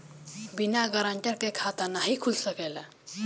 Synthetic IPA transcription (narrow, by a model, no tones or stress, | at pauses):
binaɡəɾãɳʈəɾkekʰat̪anaɦikʰulsəkɛla